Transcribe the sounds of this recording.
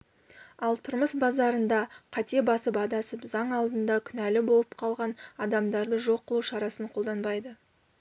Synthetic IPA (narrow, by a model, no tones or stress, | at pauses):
ɑlˠt̪ʰʊɾməsbɑzɑɾənd̪ɑqʰɑt̪e̞bɑsəpɑd̪ɑsəpzɑɴɑlˠd̪ənd̪ɑkʲʰʏnælɪbo̞lˠəpqʰɑlˠʁɑnɑd̪ɑmd̪ɑɾd̪əʒo̞qːəlˠuʃɑɾɑsəɴqʰold̪ɑnbɑjd̪ə